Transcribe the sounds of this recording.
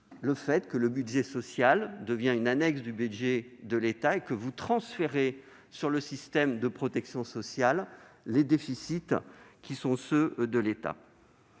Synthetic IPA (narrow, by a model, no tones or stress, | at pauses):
ləfɛt̪kələbydʒɛsɔsjald̪əvjɛ̃ynanɛksd̪ybydʒed̪əlet̪aekəvut̪χɑ̃sfeʁe | syʁləsist̪ɛmd̪əpχɔt̪ɛksjɔ̃sɔsjalːed̪efisit̪kʲisɔ̃sød̪əlet̪a̰